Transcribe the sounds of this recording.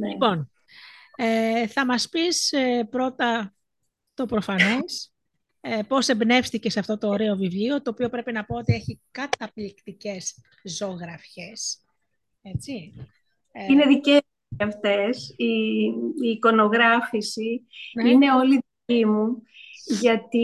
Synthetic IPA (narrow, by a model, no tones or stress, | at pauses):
neipo̞n | eθɐmɐspisepɾot̪ɐ | t̪o̞pɾo̞fɐno̞s | epo̞se̞bne̞fsθice̞sɐft̪o̞t̪o̞ːɾeo̞vivlio̞t̪o̞ːpio̞pɾe̞pinɐpoo̞t̪ie̞çikɐt̪ɐplikt̪ice̞s | zo̞ɣɾɐfçe̞s | e̞t͡si | ineðice | ɐft̪esi | iːko̞no̞ɣɾɐfisiine̞o̞liiimu | ʝɐt̪i